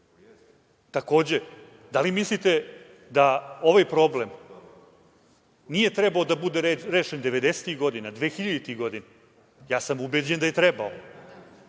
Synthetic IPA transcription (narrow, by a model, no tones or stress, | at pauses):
t̪ako̞ːd͡ʑe̞ | d̪alimislit̪e̞ | d̪ao̞ʋajpɾo̞blem | nije̞t̪ɾebaod̪abud̪eɾeːʃend̪e̞ʋe̞d̪ese̥t̪iɣɡo̞d̪inad̪ʋeːxiʎad̪it̪iɣɡo̞d̪ina | jaːsamubed͡ʑend̪ajet̪ɾɛbao